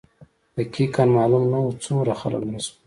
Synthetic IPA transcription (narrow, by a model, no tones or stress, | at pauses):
d̪̥əkʰikanmɑːlumnawut͡suɾaxa̰la̰knis